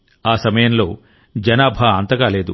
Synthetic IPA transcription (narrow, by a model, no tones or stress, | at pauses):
aːsɐmɐjɐnlo̞ː | d͡ʒɐnaːbʱaːɐnt̪ɐɡaːle̞ːd̪ṵ